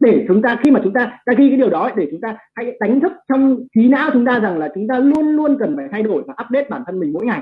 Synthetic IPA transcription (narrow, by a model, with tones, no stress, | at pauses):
ɗe˧˩t͡ɕʊ˨˦ŋ͡mt̪aː˧xi˧maː˨˩t͡ɕʊ˨˦ŋ͡mt̪aː˧ɗaː˧ɣi˧ka˨˦ɗi˨˩əwɗɔ˨˦ə˧˦jɗe˧˩t͡ɕʊ˨˦ŋ͡mt̪aː˧ha̰˧˥jɗ̪a˨˦jŋ̟t̪ʰɨ˦˥k̚t͡ɕɔ˧wŋ͡mxi˨˦na̰ː˧˥wt͡ɕʊ˨˦ŋ͡mt̪aː˧za˨˩ŋlaː˨˩t͡ɕʊ˨˦ŋ͡mt̪aː˧lu˧ənlu˧ənkə˨˩nfaː˧˨˩jt̪ʰa˧jɗo˧˩jvaː˨˩ʔaː˦˥p̚ɗe˦˥t̚ɓaː˧˩nt̪ʰə˧nmï˨˩ŋ̟mo̰˧˥jŋa˨˩j